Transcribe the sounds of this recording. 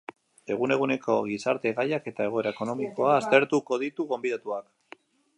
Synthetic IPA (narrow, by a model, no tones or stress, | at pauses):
e̞ɣ̞une̞ɣune̞kʰo̞ɣisaɾt̪e̞ɣajake̞t̪ae̞ɣo̞e̞ɾaeko̞no̞miko̞aːst̪e̞ɾt̪uko̞ð̞it̪uɣo̞mbiðat̪uak